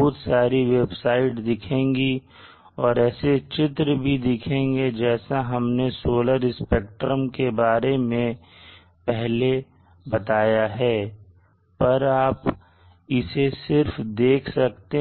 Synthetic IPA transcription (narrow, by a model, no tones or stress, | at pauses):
ʊːt̪saːɾiʋeːbsaːɪʈd̪ɪkʰẽːŋɡi | ɔːɾɛːset͡ʃɪt̪ɾəbʱid̪ɪkʰẽːŋɡed͡ʒɛːsaɦɐmnesoːləɾɪspeːk̚ʈɾəmkebaːɾemẽ | pɛɦle | bɐt̪aːjaɦɛː | pɐɾaːp | ɪsesɪɾfd̪eːkʰsɐkt̪e